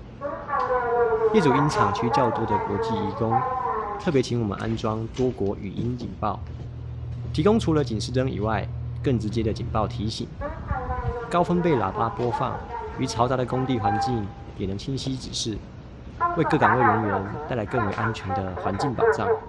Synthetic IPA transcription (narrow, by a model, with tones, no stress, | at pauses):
jɛ˥˩ʈ͡ʂu˨˩i˦˥nt͡sʰɑ˨˩ŋt͡ɕʰy˥t͡ɕjɑ˥˧ʊt̪ɔ˥˩d̪ə˨kwɔ˧˥t͡ɕi˥˩i˧˥kʊ˥˦ŋt̪ʰɤ˥˩p̬jɛ˧˥t͡ɕʰi˧˥ŋwɔ˨˩mə̰˦nʔa̰˥nʈ͡ʂwɑ˥ŋt̪wɔ˥kwɔ˧˥ʔy̰˨˩ʔi˦nt͡ɕḭ˨˩npɑ˥˩ʊ | t̪ʰi˧˥kʊ˥ŋʈ͡ʂʰu˧˥lə˧t͡ɕi˨˩nʂɻ̩˥˧ʈ͡ʂə˥ŋḭ˨˩wa˥˧ɪkə˥˩ŋʈ͡ʂɻ̩˧˥t͡ɕjɛ˥d̪ə˨t͡ɕḭ˨˩npɑ˥˩ʊt̪ʰi˨˦ɕḭ˨˩˦ŋ | kɑ˥ʊfə˥npe˥˩ɪla̰˨˩pa˦pwɔ˥fɑ̰˥˩ŋy˧˥t͡sʰɑ˧˥ʊt͡sa˨˧˥ɾə˨kʊ˥ŋt̪i˥˨xwa˧˥nt͡ɕi˥˩ŋ | jɛ˨˩nə˧˥ŋt͡ɕʰi˥nɕi˥ʈ͡ʂɻ̩˨˩ʂɻ̩˥˩ | we˥˧ɪkɤ˥˩kɑ˨˩ŋwe˥˩ɪɥə˧˥nɥɛ˧˦nt̪a˥˩ɪla˧˥ɪkɤ˥˩ŋwe˨˩ɪʔa˦nt͡ɕʰɥɛ˧˥nd̪ə˧xwa˧˥nt͡ɕi˥˩ŋpɑ˨˩ʊʈ͡ʂɑ˥˩ŋ